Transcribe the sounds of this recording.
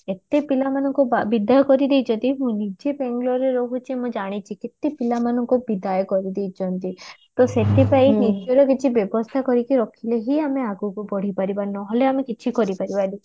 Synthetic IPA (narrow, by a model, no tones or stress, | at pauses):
et̪epilamanɔŋkubabid̪ajɔkɔɾid̪ejt͡ʃʰɔnt̪iɦũnid͡ʒebeŋɡlɔɾeɾɔɦut͡ʃʰimũd͡ʒaɽ̃it͡ʃʰiket̪epilamanɔŋkubid̪ajɔkɔɾid̪ejt͡ʃʰɔnt̪it̪oseʈʰipainid͡ʒɔɾɔkit͡ʃʰibjɔbɔst̪ʰakɔɾikiɾɔkʰileɦiameaɡukupɔɽ̤ipaɾibanɔɦleamekit͡ʃʰikɔɾipaɾibali